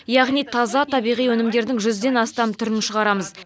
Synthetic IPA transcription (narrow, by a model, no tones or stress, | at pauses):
jɑʁnijt̪ʰɑzɑt̪ʰɑbijʁijwɵnɪmd̪e̞ɾd̪ɪŋʒʏzd̪e̞nɑst̪ɑmt̪ʰʏɾɪnɪʃəʁɑɾɑməz